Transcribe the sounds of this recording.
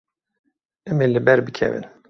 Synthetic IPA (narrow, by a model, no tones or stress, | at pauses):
ɛmelɨbɛɾbɨkʰɛ̰vɨ̰n